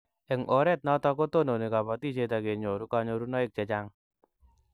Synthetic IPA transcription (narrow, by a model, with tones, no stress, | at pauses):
ɪ˨ŋʔoɾɛt̪̚nɔt̪ɔko˦t̪ono˨ne˨ka˨pɔ˨t̪i˦d͡ʒe˨t̪a˨ɡe˨ɲo˨ɾu˦kaɲo˧ɾunɔ˦ɪk̚t͡ʃa˨t͡ʃaŋ